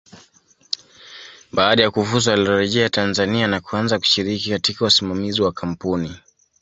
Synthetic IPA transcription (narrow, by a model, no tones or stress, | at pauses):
ɓaːɗajakuvuzawaliɔɾɛʄɛatanzanianakuanzaku̥ʃiɾikikatikausimamiziwakʰam̩puni